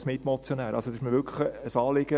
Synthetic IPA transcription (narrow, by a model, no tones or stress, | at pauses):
smɪt̪mɔt͡sjonæːɾʔɑ̰lsod̪ɪʃməʋʏkʰəəsɑːlɪɡ̥ə